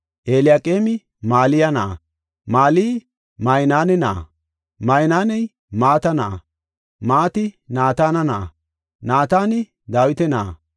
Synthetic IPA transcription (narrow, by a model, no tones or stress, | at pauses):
ʔeːlɪjaːkʼeːmɪ | maːlɪjɐnɐ̰ | maːlij | mɐjnaːnɛna̰ | mɐjnaːnɛj | maːt̪ɐna | maːt̪ɪnaːt̪aːnɐna | naːt̪aːnɪ | d̪aːwɪt̪ɛnaː